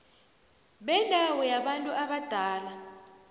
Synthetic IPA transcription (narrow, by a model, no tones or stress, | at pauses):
ɓɛndʱawɔjaɓantʼuʔaɓad̥ʱaːla